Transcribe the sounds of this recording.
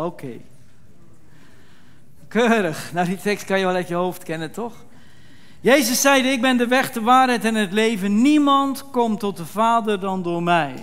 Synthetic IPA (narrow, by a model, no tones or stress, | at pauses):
okʰej | køːɾəχnawditɛkstkɑnjəʋɛlˠɛtjəɦowftkɛnəntɔχ | jejzəsːɛjdəɪɡ̚bɛndəʋɛχdəʋaːɹɦɛjtɛnɦətlejvənːimɑntkɔmtɔt̚dəvaːdəɹdɑndʊːɹmɛj